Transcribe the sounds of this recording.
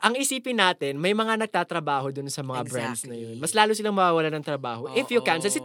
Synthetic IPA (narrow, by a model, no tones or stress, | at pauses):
ʔɐŋʔɪsiːpɪnːaːt̪ɪnmɐjmɐŋanɐɡ̚t̪aːt̪ɾɐbaːɦo̞d̪ʊnsɐmɐŋabɾa̰nd̪snɐjonmɐslaːlʊsɪlaŋmɐwaːwɐlanɐŋt̪ɾɐbaːho̞ʔɪfjʊkansɛlsɪ